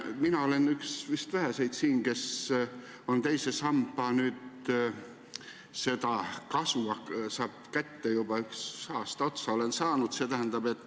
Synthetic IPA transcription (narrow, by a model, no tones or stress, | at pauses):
minɑo̞le̞nyksvist̪væɦæse̞jd̪siːnke̞s | o̞nt̪e̞jsesɑmbˑɑnyːd̪ | se̞t̪ɑkɑsuɑsɑːb̥kæt̪ːejub̥ɑyksɑːst̪ɑo̞t̪sɑo̞le̞nsɑːnud̪se̞t̪æɦænd̪̥ɑb̥e̞t̪ːˑ